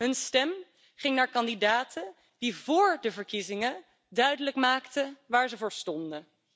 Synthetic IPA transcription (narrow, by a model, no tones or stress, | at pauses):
ɦɵnstɛm | χɪŋnaːɹkɑndidaːtʰə | d̥ivʊːɹdəvəɹkizɪŋə | dœɥdələkmaːktəʋaːɹzəvʊːɹstɔndə